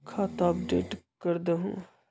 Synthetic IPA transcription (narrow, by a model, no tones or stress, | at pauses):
kʰaːt̪aɐpɖḛːʈkəɾd̪eɦṵ̃ː